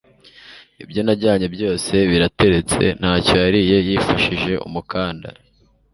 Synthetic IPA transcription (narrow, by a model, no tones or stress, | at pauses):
ibjo̞naɟaːɲe̞bjo̞ːse̞βiɾate̞ɾe̞t͡se̞̰n̥haːcojaɾije̞jifaʃiʒe̞ʔṵmukaːnda̰